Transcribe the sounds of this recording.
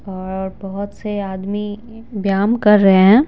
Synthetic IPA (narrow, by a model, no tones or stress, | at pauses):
ɔːɾɾbɐɦʊt̪seaːd̪mi | bjaːmkɐɾːɐɦeɦɛ̃ː